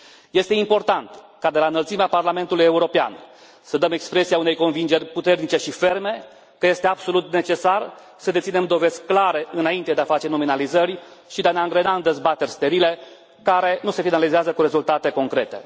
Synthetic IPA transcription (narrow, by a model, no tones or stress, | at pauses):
je̞st̪e̞impo̞rt̪ant̪ | kad̪e̞laɨnəlt̪simeaparlame̞nt̪uluje̞uɾo̞pea̰n | səd̪əmekspɾe̞siaune̞jko̞nvind͡ʒe̞rʲput̪e̞rnit͡ʃe̞ʃife̞rme̞ | kəje̞st̪e̞abso̞lut̪ne̞t͡ʃe̞sar | səd̪et̪sine̞md̪o̞ve̞z̥ʲklaɾe̞ʔɨnaint̪ed̪eafat͡ʃe̞no̞minalizərʲʃid̪eaneaŋɡɾe̞naɨnd̪e̞zbat̪e̞rʲst̪e̞ɾile̞ | kaɾe̞nuse̞finalizeazəkuɾe̞zult̪at̪e̞ko̞ŋkɾe̞t̪e̞̰